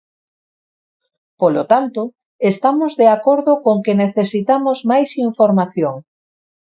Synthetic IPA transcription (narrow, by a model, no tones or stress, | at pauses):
polot̪ant̪ʊ | est̪amozðeakoɾðʊkoŋkeneθesit̪amozmajsiɱfoɾmaθjoŋ